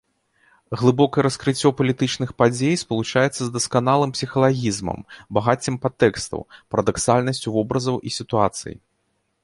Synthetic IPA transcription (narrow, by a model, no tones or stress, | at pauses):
ɣlˠɨbɔkɐjɛɾɐskɾɨt͡sʲːɔpɐlʲit̪ɨt͡ʂnɨxpad͡zʲejspɐlˠut͡ʂajɛt̪sɐzd̪ɐskanalˠɨmpsʲixɐlˠaɣʲizmɐ̰mbaɣat͡sʲːimpat̪ːɛkst̪ɐ̰wpɐɾɐd̪aksalʲnɐsʲt͡sʲuvɔbɾɐzɐwʔisʲit̪uat̪sɨ̰jḭ